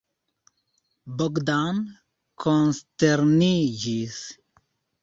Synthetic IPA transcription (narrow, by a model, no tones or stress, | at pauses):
bɔɡd̪an | kʰɔnst̪ɛɾnid͡ʒis